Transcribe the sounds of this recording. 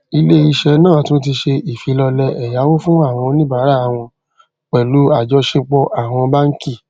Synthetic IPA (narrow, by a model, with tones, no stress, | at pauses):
i˧le˦i˧ʃɛ˧nãː˦˨tũ˦t̬i˧ʃe˧i˨fi˨˦lɔ˧lɛ˧ɛ˨ja˨˦wo˦fũ˦a˦˨w̃ɔ̃˧nĩ˦ba˨˦ɾa˦˨w̃ɔ̃˧ | k͡pɛ˨lu˨˦a˦˨d͡ʒɔ˧˦ʃe˧k͡pɔ˧ʔa˨w̃ɔ̃˧ba˦ŋ̩˦ki˦˨